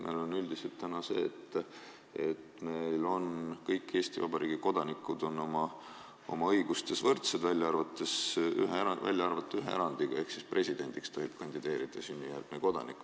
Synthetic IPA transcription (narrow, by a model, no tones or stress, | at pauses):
mʔḛjlonyld̪̥iselt̪ːænɑsḛːt̪ː | et̪me̞jlo̞nkɤjkːˑe̞ːsʲt̪ivɑbɑɾʔiːɡ̥iko̞d̪̥ɑnikːˑud̪̥o̞nːo̞mɑ | o̞̰mɑɤjɡ̥ust̪e̞svɤrt̪sed̪vælʲːɑɑrvɑt̪ːˑesy̰ɦeɑvæ̰lʲjɑɑrvɑt̪ːˑɑyɦeḛɾɑnd̪̥iɡ̥ɑe̞hksisprʔe̞sʲid̪̥e̞nʲd̪̥ikst̪o̞ɦib̥̚kɑnʲd̪̥id̪̥e̞ːɾid̪̥ɑsynʲːijærɡ̥neko̞d̪̥ɑ̰nikːˑu